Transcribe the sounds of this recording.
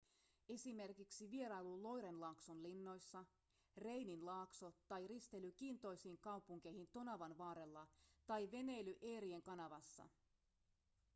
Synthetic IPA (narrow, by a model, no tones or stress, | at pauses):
e̞sime̞rkiksiʋie̞ɾɑjlulo̞jɾe̞nlɑːksonlinːo̞jsːɑ | re̞jninlɑːkso̞t̪ɑjrist̪e̞lykiːnt̪o̞jsiːŋkɑwpuŋk̟e̞jhint̪o̞nɑʋɑnʋɑːɾe̞lːɑt̪ɑjʋe̞ne̞jlyʔe̞ːɾie̞ŋkɑnɑʋɑsːɑ̰